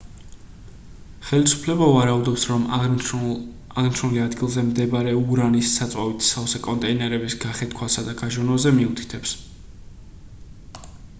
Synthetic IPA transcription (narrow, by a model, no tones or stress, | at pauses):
χɛlisu̥pʰlɛbavaɾaud̪ɔpsɾɔm | aʁnʃʰɾɔliad̪ɡilˠzɛmd̪ɛbaɾɛuɾanisːat̪sʼwavit̪ʰsafsɛkʼɔnt̪ʼɛinɛɾɛbisɡaχɛt̪kʰwasad̪aɡaʒɔnɔzɛmiut̪ʰi̥t̪ʰɛps